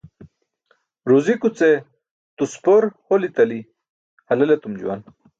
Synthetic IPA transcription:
ɾuzikut͡se | t̪uspoɾholit̪ɐli | hɐlɐlet̪umd͡ʑuwa̰n

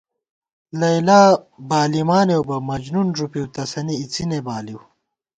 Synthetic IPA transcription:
lɐjlaː | baːlimaːnewbɐmɐd͡ʑnunʐupiwt̪ɐsɐniːt͡sinebaːliw

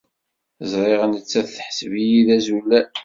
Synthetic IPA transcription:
zˤɾˤeʁənət͡sːæðθħə̥svijiðæzulːæ

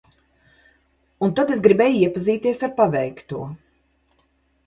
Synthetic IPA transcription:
unt̪at̪esɡɾibɛːjiɛpaziːt̪iɛsaɾpavɛjkt̪uɔ

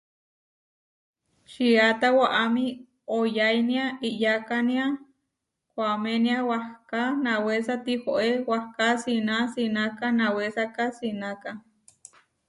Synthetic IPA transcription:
t͡ʃiat̪awaʔami | ojajniaiʔjakania | kʷameniawahkanawesat̪ihoʔewahkasinasinakanawesakasinaka

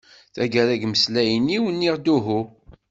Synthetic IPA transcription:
θæɡæɾæɡməslæjənːiwənːiʁd̪uɦu

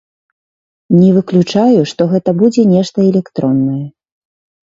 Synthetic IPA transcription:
nʲɛvɨklʲut͡ʂajuʂt̪ɔɣɛt̪ɐbud͡zʲɛnʲɛʂt̪ɐɛlʲɛkt̪ɾɔnːɐjɛ

